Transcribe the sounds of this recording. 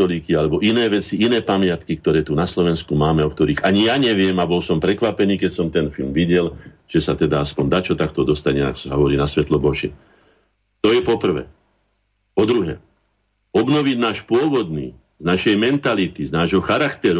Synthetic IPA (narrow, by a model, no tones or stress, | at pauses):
ɔliːkialɛbɔʔinɛːʋɛt͡siinɛːpamɪat̪kik̚t̪ɔɾɛːt̪unaslɔʋɛnskumaːmɛɔkt̪ɔɾiːɣaɲijaɲɛʋɪɛmabɔlsɔmpɾɛkʋapɛniːkɛcsɔmt̪ɛnfilmʋiɟɛl | ʒ̥ɛsat̪ɛd̪aaspɔnd̪at͡ʃɔt̪ak̚t̪ɔd̪ɔst̪aɲɛa̰kɔ̥saɦɔʋɔɾiːnasʋɛt̪lɔbɔʒɪɛ | t̪ɔjɛpɔpr̩ʋɛ̰ː | pɔd̪ɾuɦɛ̰ː | ɔbnɔʋiɟnaːʃpʊɔʋɔd̪niː | znaʃɛjmɛnt̪alit̪iznaːʒɦɔxaɾakt̪ɛɾ